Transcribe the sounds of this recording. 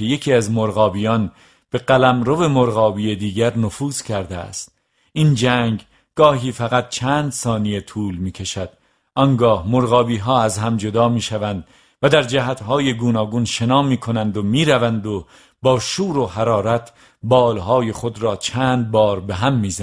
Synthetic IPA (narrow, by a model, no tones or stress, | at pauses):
eje̞kʰiːæzmoɾɣɒːbiːjɒːn | b̥e̞ɢælæmɾo̞ve̞moɾɣɒːbije̞d̪iːɡæɾnofuːz̥kʰæɾd̪eæ̰st̪̚ | ind͡ʒæːŋɡ | ɡ̥ɒːɦiːfæɣæt̪̚t͡ʃʰæːnd̪sɒːnijet̪ʰuːlmiːcʰeʃæd̪̥ | ʔɒŋɡɒːhmoɾɣɒːbiːɦɒːæzɦæmd͡ʒo̞d̪ɒːmiːʃævænd̪ | væd̪æɾd͡ʒæɦæt̪ɦɒːje̞ɡuːnɒːɡunʃe̞nɒːmiːkʰo̞nænd̪omiːɾævænd̪o | bɒːʃuːɾo̞ɦæɾɒːɾæt̪ʰ | bɒːlɦɒːje̞χod̪ɾɒːt͡ʃʰæːnd̪̚bɒːɾbeɦæmːiːz